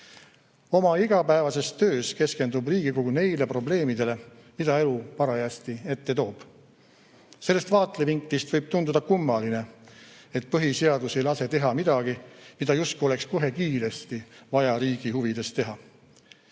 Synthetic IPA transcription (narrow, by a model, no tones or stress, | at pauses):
o̞mɑiɡ̥ɑpæevɑse̞st̪ø̞ːske̞ske̞nd̪ubriːɡ̥ikoɡune̞jle̞pro̞ble̞ːmid̪̥e̞le̞mid̪̥ɑe̞lupɑɾɑjæːst̪ie̞t̪ːe̞t̪o̞ːb̥ | se̞lːest̪vɑːt̪ˑleviŋklist̪vɤjb̥̚t̪und̪ud̪ɑkumːɑline̞ | et̪̚pɤɦise̞ɑd̪use̞jlɑse̞t̪e̞ɦɑmid̪̥ɑɡ̥imid̪̥ɑjust̪kuo̞le̞ksko̞ɦe̞kiːɾe̞st̪ivɑjɑɾiːɡ̥ihuvid̪̥e̞st̪ːe̞ɦɑ